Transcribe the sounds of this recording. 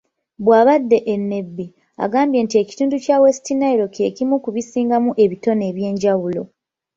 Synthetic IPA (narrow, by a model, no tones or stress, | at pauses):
βwaːβadːe̞ʔenːe̞bːi | a̰ɡaːmbje̞ːntie̞ci̥tuːnducawesi̥tinaiɾo̞kie̞cimukuβisiːŋɡamuʔe̞βito̞ne̞ːβje̞ːɲɟawulo̞